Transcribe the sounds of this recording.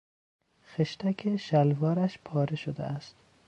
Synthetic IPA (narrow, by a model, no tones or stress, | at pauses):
xeʃt̪ʰækʲʰeʃælvɒːɾæʃpʰɒːɾeʃod̪ḛʔæst̪